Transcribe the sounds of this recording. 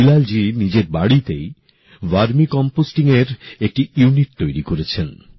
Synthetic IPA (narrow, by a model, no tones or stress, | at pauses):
ilald͡ʑinid͡ʑeɾbaɽit̪ej | ʋaɾmikɔmposʈiŋeɾek̚ʈiuniʈ̚t̪ojɾikoɾet͡ɕʰen